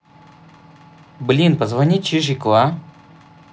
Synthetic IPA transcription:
blʲinpəzvɐnʲit͡ɕiʐɨklˠa

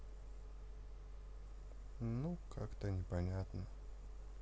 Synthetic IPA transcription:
nukʰakt̪ɐnʲɛpɐnʲat̪nɐ

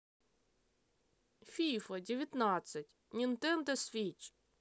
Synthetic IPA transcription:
fʲijfɐdʲɪʋʲjɐt̪nɑt͡ssʲɐtʲ | nʲint̪ɛnd̪ɛsfʲit͡ʃ

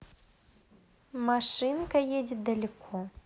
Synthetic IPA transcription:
maʂɨnkɐjed͡zʲid̪ɐlʲikʰɔ

